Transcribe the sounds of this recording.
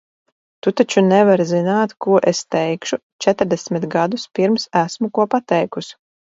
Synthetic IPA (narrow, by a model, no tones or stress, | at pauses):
t̪ut̪at͡ʃunɛvaɾzinaːt̪kuɔʔest̪ɛjkʃut͡ʃɛt̪ɾd̪ɛsmʲit̪ɡad̪uspiɾmsæsmukuɔpat̪ɛjkus